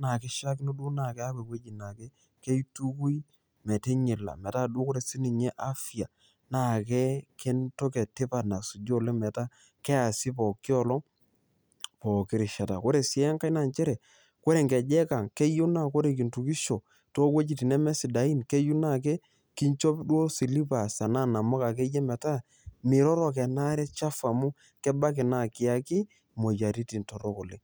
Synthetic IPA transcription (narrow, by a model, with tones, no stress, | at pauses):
na˨kɪ˦ʃa˦kno˦du˦na˨ke˦a˦kwe˨kwe˦d͡ʒi˨na˨ke˦ | ke˦i˦tu˦ku˦i˦ | mɛ˨te˦ɲi˨la̰˨mɛ˨ta˦du˦ko˦ɾe˨si˦ni˨ɲe˦ʔa˦fi˨a˨ | na˦˨ke˦ke˦nto˦ke˨tɪ˦pa˨na˨su˨d͡ʒo˦˨le˦mɛ˨ta˦ | kɛ˦a˨sɪ˦pɔ˨kːɪ˦ɔ˨lɔ˦ | pɔ˨kɪ˨ɾɪ˨ʃa˨ta˨ko˦ɾe˨sɪ˨ɛ˦ŋka˦i˦na˨ɲt͡ʃɛ˦ɾɛ˨ | kɔ˦ɾe˨ŋɡɛ˨d͡ʒɛ˦ka˨ŋkɛ˦ju˦na˦˨ko˦ɾe˨k̬i˨ntu˨ki˦ʃo˨ | to˦kwe˦d͡ʒi˨ti˨nɛ˦mɛ˦si˨da˨i˦nke˦ju˦na˦˨k̬e˦ | ki˦ɲt͡ʃɔ˦pdwo˦si˨li˦pa˨sa˨na˦˨na˨mo˦ka˨ke˦jɛ˦mɛ˨ta˦ | mɪ˨ɾɔ˦ɾɔ˨kɛ˨na˦ɾɛ˦t͡ʃa˦fa˨mu˦ | kɛ˦ba˦k̬ɪ˨na˦˨kɪ˨a˦ki˦ | mo˨d͡ʒa˨ɾi˦ti˨nto˨ɾo˦ko˨le˦